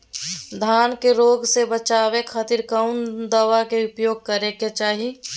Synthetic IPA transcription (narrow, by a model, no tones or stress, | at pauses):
d̪ʱaːnkeɾoːɡsebət͡ʃaːwekʰaːt̪iɾkaʊnd̪əwakeʊpjoːɡ̚kəɾeket͡ʃaːɦi